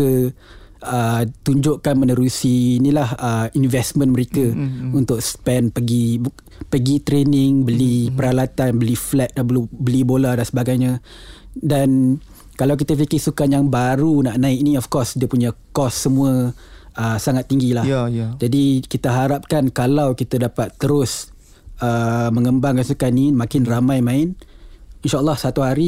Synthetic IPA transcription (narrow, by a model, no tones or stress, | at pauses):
ə | ət̪uɲd͡ʒʊʔkanmənəɾusiːnilahəinvɛsmə̃nməɾekəunt̪ʊk̚spɛnpəɡi | pəɡit̪ɾenɪŋbəlipəɾalat̪anbəliflɛt̪̚dabəlubəlibolahdansəbaɡajɲa | dan | kalawk̬it̪afikɪhsukanjaŋbaɾunaʔnãɪk̚niɔfkɔsdiəpuɲakɔsːəmũə | əsaŋat̪ːiŋɡilahhd͡ʒadikit̪aɦaɾap̚kankalawkit̪adapat̪ːəɾʊs | əmə̃ŋəmbaŋkansukanimãkɪnramãjmãɪninʃaʔəlːɑhsat̪uɦaɾi